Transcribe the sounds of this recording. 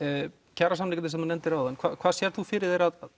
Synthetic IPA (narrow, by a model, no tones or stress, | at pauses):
cʰaːɾasamnɪjkɪt̪ɪsɛmanɛnt̪ɪɾavðankʰvaːðkʰvaːðsjɛɾ̥tθufɪːɾɪðejɾaðað